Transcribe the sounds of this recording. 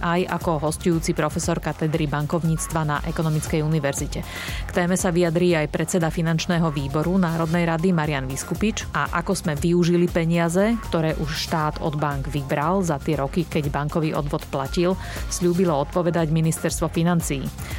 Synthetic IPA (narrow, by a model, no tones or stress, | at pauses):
ʔaja̰kɔɦɔscujuːt͡sipɾɔfɛsɔɾkat̪ɛd̪ɾibaŋkɔʊɲiːt͡st̪ʋana̰ʔɛkɔnɔmit͡skɛjuniʋɛɾzicɛ | kt̪ɛːmɛsaʋijad̪ɾiːajpɾɛt͡sɛd̪afinant͡ʃnɛːɦɔʋiːbɔɾunaːɾɔd̪nɛjɾad̪imaɾɪanʋiskupit͡ʃaʔakɔzmɛʋiuʒilipɛɲɪazɛkt̪ɔɾɛːʔuʃʃt̪aːd̪ɔ̰d̪baŋɡʋibɾalzat̪ɪɛɾɔkikɛɟbaŋkɔʋiːʔɔ̰d̪ʋɔt̪placil | sʎuːbilɔɔt̪̚pɔʋɛd̪aɟminist̪ɛɾst̪ʋɔfinant͡siː